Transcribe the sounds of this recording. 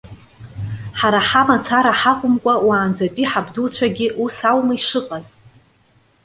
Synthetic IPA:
ħaɾaħamat͡sʰaɾaħaqʷʼʊmkʷʼawaːnd͡zapʼiħabdut͡ɕʷʰaɡʲɪʔusawmaiʂɨqʼaz

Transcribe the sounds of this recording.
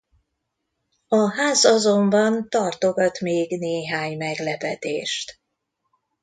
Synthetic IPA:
ɒɦaːzɒzombɒnt̪ɒrt̪oɡɒt̪meːɡneːɦaːɲmɛɡlɛpɛt̪eːʃt̪

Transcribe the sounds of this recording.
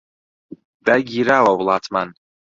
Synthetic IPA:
baɡʲiɾawawlˠat̪ʰman

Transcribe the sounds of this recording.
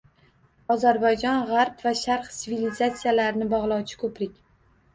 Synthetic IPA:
ɒzaɾbajd͡ʒɒnʁɑɾpvaʃaɾqt̪ivilizat̪sijalaɾnɪbɒʁlˠɒwt͡ʃʰɪ̥kʰɵpɾɪkʲ

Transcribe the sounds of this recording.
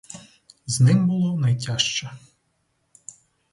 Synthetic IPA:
znɪmbʊlˠɔnɐjtʲaʃt͡ʃɛ

